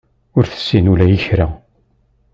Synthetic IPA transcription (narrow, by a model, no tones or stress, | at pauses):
ʊɾθə̥sːinulæjəçɾæ